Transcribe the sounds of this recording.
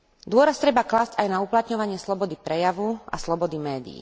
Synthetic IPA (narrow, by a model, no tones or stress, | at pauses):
d̪ʊɔɾast̪ɾɛbaklaːzcajnauplat̪ɲɔʋaɲɪɛslɔbɔd̪ipɾɛjaʋua̰slɔbɔd̪imɛːd̪ḭː